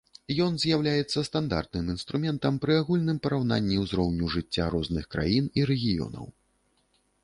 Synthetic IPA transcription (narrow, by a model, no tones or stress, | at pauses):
jɔnzʲjawlʲajɛt̪sːɐst̪and̪a̰rt̪̚nɨmin̪st̪ɾumʲɛnt̪ɐmpɾɨaɣulʲnɨmpɐɾawna̰nʲːiwzɾɔwnʲuʐɨt͡sʲːaɾɔznɨxkɾa̰jiniɾɛɣʲijɔ̰nɐ̰w